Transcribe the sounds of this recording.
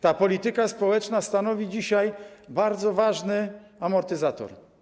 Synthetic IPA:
t̪apɔlʲit̪ɘkaspɔwɛt͡ʂnast̪anɔvʲid͡ʑiɕajbaɾd̪zɔvaʐnɘ | amɔɾt̪ɘzat̪ɔ̰ɾ

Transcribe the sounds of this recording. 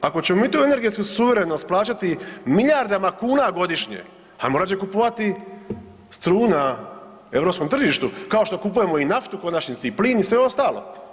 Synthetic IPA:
ako̞t͡ɕe̞momit̪uːe̞ne̞ɾɡe̞t̪skusuʋe̞ɾenost̪plˠaːt͡ɕat̪imiʎaɾd̪amakuːnaɡo̞d̪iʃɲḛ | amo̞ɾat͡ɕekupoʋat̪i | st̪ɾuːna | e̞ʋɾo̞pskomt̪r̩ʒiʃt̪ukao̞ʃt̪o̞kupuje̞mo̞inaft̪uko̞nat͡ɕɲisipliːnisʋeo̞st̪aːlo̞̰

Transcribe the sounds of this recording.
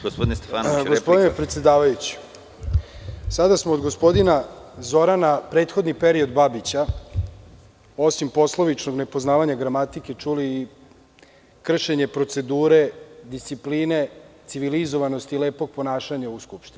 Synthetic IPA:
ɡospod̪inest̪efanɡospod̪inepɾet̪sjed̪aːʋajut͡ɕi̥ | sad̪asmoːd̪ɡo̞spo̞d̪ina | zo̞ɾanapɾet̪xo̞d̪nipe̞ɾio̞d̪babit͡ɕa | o̞simpo̞sloʋit͡ʃno̞ɡne̞poznaːʋaɲaɡɾamat̪ike̞t͡ʂuliː | kr̩ʃe̞ɲe̞pɾo̞t̪se̞d̪uːɾe̞d̪ist̪sipliːne̞t̪siʋilizo̞ʋano̞st̪ileːpo̞ɡ̚po̞naːʃaɲauskupʃt̪ini

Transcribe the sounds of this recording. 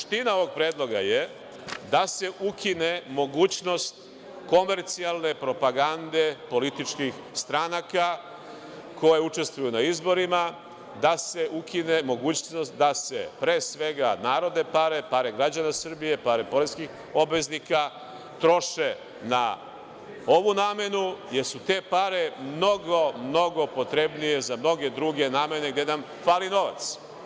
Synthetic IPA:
ʃt̪inao̞ʋo̞ɡ̚pɾeːd̪lˠo̞ɡa̰je | d̪ase̞ʔukʰinemo̞ɡuːt͡ɕno̞st̪ | ko̞me̞ɾt̪sialˠne̞pɾo̞paɡand̪e̞po̞lit̪it͡ʃkix | st̪ɾanaka | ko̞je̞ut͡ʃe̞st̪ʋujunaizbo̞ɾima | d̪aseʔukʰine̞mo̞ɡuːt͡ɕno̞st̪d̪ase̞̰pɾe̞ːsʋe̞ɡanaːɾo̞d̪ne̞paɾe̞paɾeɡɾad͡ʑanasr̩bije̞paɾepo̞ɾeskix | o̞bʋe̞znika | t̪ɾo̞ʃe | na̰ | o̞ʋunaːme̞nujeɾsut̪e̞ːpaɾe̞mno̞ɡo̞mno̞ɡo̞po̞t̪ɾe̞bnije̞zamno̞ɡe̞d̪ɾuɡe̞naːme̞ne̞ɡd̪enam | faːlino̞ʋa̰t̪s

